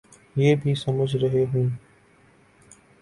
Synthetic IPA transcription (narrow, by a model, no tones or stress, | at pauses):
jeːbʱisəməd͡ʒʱɾɐɦeɦũː